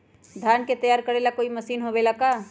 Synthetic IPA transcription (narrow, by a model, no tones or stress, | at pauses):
d̪ʱaːnket̪ɐjaːɾkəɾelakoːimɐsiːnɦobelakaː